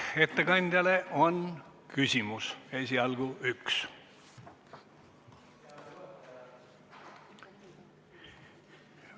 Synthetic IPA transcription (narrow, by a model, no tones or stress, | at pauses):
e̞t̪ːekɑnʲd̪̥ʲjɑleʔo̞nkysʲimusesʲiɑlɡ̥uʔyks